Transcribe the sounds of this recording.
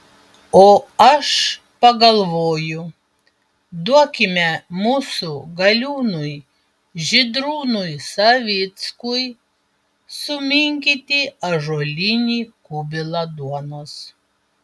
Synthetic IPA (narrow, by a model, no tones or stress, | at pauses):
oːɐʃ | pɐɡɐlˠʋoːjʊ | d̪uɔkʲɪmʲɛmuːsʊɡɐlʲuːnʊj | ʒʲɪd̪ɾuːnʊjsɐʋʲɪt̪skʊj | sʊmʲɪŋʲkʲit̪ʲiːɐʒoːlʲɪnʲiːkʊbʲɪlˠɐd̪uɔnos